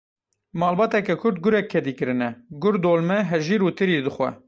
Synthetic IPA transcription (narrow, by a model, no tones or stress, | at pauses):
mɑːlbɑːt̪ɛkɛkʰʊɾd̪̚ɡʊɾɛkʰːɛd̪iːkɨɾɨnɛɡʊɾd̪oːlmɛɦɛʒiːɾuːt̪ʰɨɾiːd̪ɨxʷɛ̰